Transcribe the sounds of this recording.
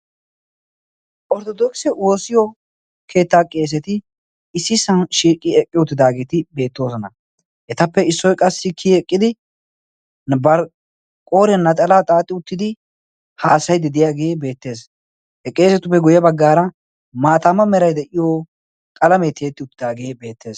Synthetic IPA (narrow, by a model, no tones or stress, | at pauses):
ʔɔɾt̪ɔd̪ɔksɛwo̞ːsɪjɔ | kʰe̞ːt̪ːaːkʼe̞ːs̬ɛt̪ɪ | ɪsːɪsɐnʃiːkʼɪɛkʼːɪʊt̪ːɪd̪aːɡe̞ːt̪ɪbe̞ːt̪ːo̞ːsɔnɐ̰ | ʔɛt̪ɐpːɛɪsːɔjkʼɐsːɪkʰiɛkʼːɪd̪ɪ | bɐɾ | kʼoːɾɛnːɐt̪ʼɐlaːt̪ʼaːt̪ʼːɪʊt̪ːɪd̪ɪ | haːsɐjd̪ɪd̪ɪjaːɡe̞ːbe̞ːt̪ːe̞ːs | hɛkʼe̞ːsɛt̪ʊpːɛɡʊjɐbɐɡːaːɾɐ | maːt̪aːmɐmɛɾɐjd̪ɛʔɪjoː | kʼɐlɐmɛt̪eːt̪ːɪʊt̪ːɪd̪aːɡe̞ːbe̞ːt̪ːe̞ːs